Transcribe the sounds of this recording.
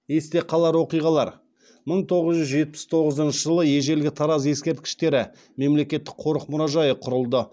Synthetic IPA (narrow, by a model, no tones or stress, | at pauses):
je̞st̪e̞qʰɑlˠɑɾwo̞qijʁɑlˠɑɾ | məɴt̪ʰo̞ʁəzʒʏzʒe̞t̪̚pɪ̥st̪ʰo̞ʁəzənʃəʒəlˠəje̞ʒe̞lɡʲɪt̪ʰɑɾɑze̞skʲe̞ɾt̪̚kʲɪ̥ʃt̪e̞ɾɪ | me̞mle̞kʲe̞t̪ːɪ̥k̚qʰo̞ɾəqmʊɾɑʒɑjəqʰʊɾəlˠd̪ə